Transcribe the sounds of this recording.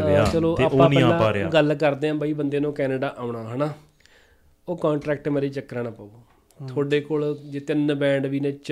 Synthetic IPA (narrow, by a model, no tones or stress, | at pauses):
aat͡ʃəloːt̪eːoãnĩːaːaːɾeaɡəlkəɾd̪eːãːbaːiːbənd̪eːnũːkɛːneːɖaːʔaːʊɳaːɦəɳaː | oːkãːɳʈɾɛːk̚ʈmeːɾiːt͡ʃəkːɾãːnãːpəːoː | t̪ʰoːɖeːkoːld͡ʒeːt̪ɪnbɛ̃ːɳɖʋiːnẽːt͡ʃ